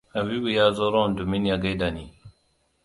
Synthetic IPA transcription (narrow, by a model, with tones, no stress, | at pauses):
ha˨βi˦bu˨jaː˦zo˦ɾɔ˦˨ndu˨mi˦nja˨ɡa˦jda˨ni˨